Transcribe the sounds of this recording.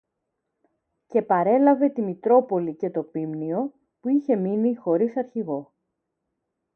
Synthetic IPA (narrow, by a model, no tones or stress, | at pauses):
ce̞pɐɾe̞lɐve̞t̪imit̪ɾo̞po̞lice̞t̪o̞pimnio̞ | puiçe̞minixo̞ɾisɐɾçiɣo̞